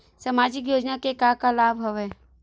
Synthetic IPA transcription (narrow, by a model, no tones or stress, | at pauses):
səmaːd͡ʒɪk̬joːd͡ʒnakekakalaːbɦɐʋeː